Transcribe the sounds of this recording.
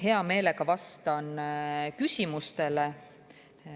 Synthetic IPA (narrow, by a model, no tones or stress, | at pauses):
ɦe̞ɑme̞ːle̞ɡ̥ɑvɑst̪ɑnkysʲimust̪e̞le